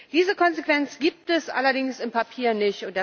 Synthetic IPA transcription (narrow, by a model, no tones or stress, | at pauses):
d̥iːzəkʰɔnzekv̥ɛnt͡sɡ̥iːp̚tɛsʔa̰lɐdɪŋsɪmpʰapʰiːɐnɪçtʊntda